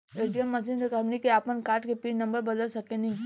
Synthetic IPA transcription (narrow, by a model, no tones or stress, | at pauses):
eːʈijəmːɐsind̪əkɐmnikeaːpənkaːɾʈkepiːʈnɐ̃mbəɾbɐd̪əlsɐkːenɐɦĩ